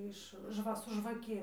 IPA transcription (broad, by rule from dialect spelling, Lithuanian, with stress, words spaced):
ɪʃ ˈʒʋɐ sʊ ʒʋɐˈkʲɪ